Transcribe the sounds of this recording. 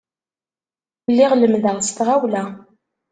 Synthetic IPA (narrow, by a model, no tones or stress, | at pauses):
lːiʁləmðəʁst̪ʁawlæ